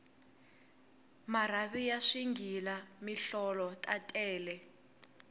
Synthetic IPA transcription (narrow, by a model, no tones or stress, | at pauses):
maraβijaʂiŋɡʱilamiɬɔlɔtʼatʼɛːlɛ